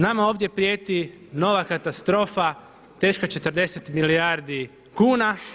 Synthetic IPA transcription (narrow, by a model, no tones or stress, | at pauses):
namao̞ʋd̪ʲjepɾjeːt̪i | no̞ʋakat̪ast̪ɾo̞ːfa | t̪e̞ːʃkat͡ʃet̪əɾd̪e̞set̪miliaɾd̪i | kuːna